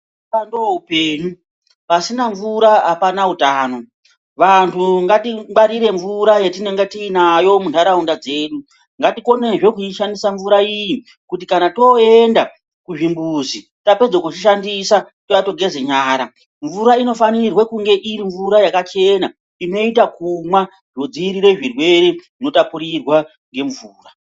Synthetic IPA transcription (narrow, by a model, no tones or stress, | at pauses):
andoupeːɲu | pasinaɱvuɾaɦapanautaːno̞ | ʋantʰuŋɡatiɓaɾiɾe̞ɱvuɾajetineŋɡetiːnajo̞muntaɾaundad͡ze̞ːɗu | ŋɡatiko̞ne̞ʐe̞kuiʃandisaɱvuɾaiji | kutikanato̞enda | kuʐimbuzi | tape̞d͡zokut͡ʃiʃ̬andisa | tojato̞ɡʱe̞ze̞ɲaːɾa | ɱvuɾaino̞fanirwekuŋɡe̞ʔiɾiɱvuɾajakat͡ʃe̞na | ino̞it̬akumwa | ʐo̞d͡ziɾiɾe̞ʐirwe̞re | ino̞tapuɾirwa | ŋɡe̞ɱvuːra